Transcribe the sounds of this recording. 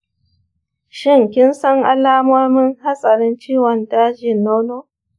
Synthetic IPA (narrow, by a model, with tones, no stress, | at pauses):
ʃɪ˦˨ŋkʲɪ˦nsɐ˦ŋʔa̰˦laː˦mɔ˦rmɪ˦ŋha˦sʼɐ˨ɾɪ˦nt͡ʃiː˦wɐ˨ndaː˦d͡ʒɪ˨nːa˦wnoː˦